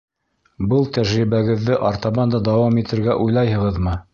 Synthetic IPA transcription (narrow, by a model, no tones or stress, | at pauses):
bɤlˠt̪æʒɾiβæɡɘ̆ðːɘʔɑɾt̪ɑβɑnd̪ɑd̪ɑwɑmit̪ʰɘ̆ɾɡæʔujlˠɑjɦɤ̆ʁɤðmɤ